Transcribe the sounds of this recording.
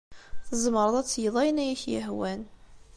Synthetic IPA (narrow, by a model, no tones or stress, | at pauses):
θəzˤmɾˤəðˤæt͡sːjəðˤɑjnæjæçjə̰ɦwæn